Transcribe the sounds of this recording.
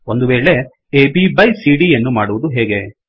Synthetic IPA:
ond̪uʋeːɭe̞ | eːbibɐjsiːɽijɐnːumaːɽuʋud̪uɦeːɡe̞

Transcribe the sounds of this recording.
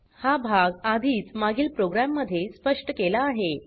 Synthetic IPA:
habʱaɡad̪ʱiːt͡smaɡiːlpɾoɡɾamːəd̪ʱːjespəʂʈəkelaːɦe

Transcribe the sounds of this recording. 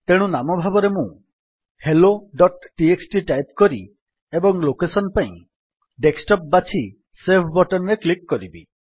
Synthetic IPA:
t̪eɽ̃ũnamɔbʱabɔɾemũ | heloɖɔʈʈieksʈiʈajp̚kɔɾi | ebɔŋlokesɔnpaĩ | ɖeksʈɔp̚bat͡ʃʰi | sepʰbɔʈɔnɾeklikːɔɾibi

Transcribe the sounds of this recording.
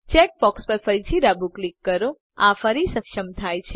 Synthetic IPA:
t͡ʃɛk̚bɔkspəɾfəɾit͡ʃiɾabʱuklikːəɾo | afəɾisəkʃəmt̪ʰajt͡ʃʰe

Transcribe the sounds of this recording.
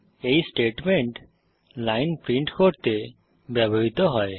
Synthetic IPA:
eisʈeʈmeɳʈ | laɪnpɾĩɳʈkɔʈt̪e | bjabʱoɦit̪ɔɦɔe

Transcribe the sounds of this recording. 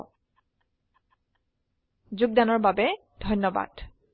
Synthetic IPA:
zuɡ̚danɔɹbabɛ | d̥ʱɔjnːɔba̰d̥

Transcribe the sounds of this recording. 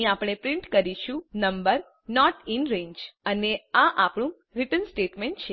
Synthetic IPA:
iapɽ̃epɾɪɳʈkəɾiʃũnəmbəɾ | nɔʈɪnɾẽɲd͡ʒəneaʔapɳũ | ɾiʈənsʈeʈmẽɳʈt͡ʃʰe

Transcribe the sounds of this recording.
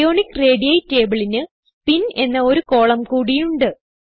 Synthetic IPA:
o̞ːɳikːre̞ːɖijɐjte̞ːbɐɭinɨ | pine̞nːɐo̞ɾuko̞ːɭɐmkuːɽijuɳɖɨ

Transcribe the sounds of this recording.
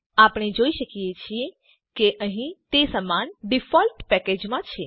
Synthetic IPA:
apɽ̃ed͡ʒoiʃəkijet͡ʃʰie | keʔəɦĩt̪esəmanɖifɔlʈpɛked͡ʒmãt͡ʃʰe

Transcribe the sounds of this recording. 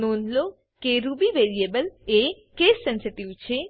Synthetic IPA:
nonlo | keɾubiʋeɾiebəle | kesːɛnseʈiʋt͡ʃʰe

